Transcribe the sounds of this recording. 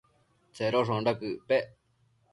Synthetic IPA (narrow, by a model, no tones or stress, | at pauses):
t͡seɾoʂõɳɖakɯpeʔ